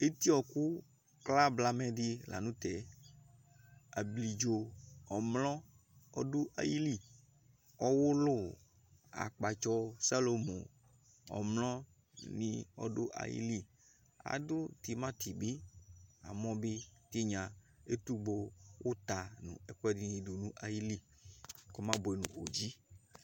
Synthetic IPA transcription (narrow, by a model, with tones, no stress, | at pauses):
e˦t̪i˦ɔ˨ku˦ | kla˦bla˦mɛ˨di˦la̰˨nũ˦t̪ɛ˨ | a̰˨bli˨d͡ʒo˨ɔ˨mlɔ̃˦ | ɔ̰˦dʊ˦ʔa̰˨ji˦li˦˨ | ɔ˦wʊ˦lʊ˦˨ | a̰˨k͡pa˨t͡ʃɔ˦sa˦lo˨mo̰˨ | ɔ̰˨mlɔ̃˦ | nĩ˦ɔ̰˦ɖʊ˦ʔa̰˨jḭ˦li˦ | a̰˨dʊ˦t̪i˨mã˦t̪ʰi˨be˦a̰˨mɔ̃˦be˦t̪i˦ɲã˨ | e˦t̪u˦ɡ͡bo˦wʔo˦t̪a˨nṵ̃˨ɛ˨kɛ˦di˦i˨do˨nũ˦ʔa˨ji˦li˦ | ko˦mã˦bo˨e˨nṵ̃˨o˨d͡ʒi˦